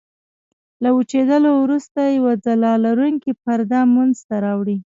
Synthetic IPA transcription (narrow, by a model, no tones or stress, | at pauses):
laut͡ʃed̪əlowɾust̪ajawad͡zalɑlaɾuŋkipaɾd̪amunzt̪aɾɑwɽi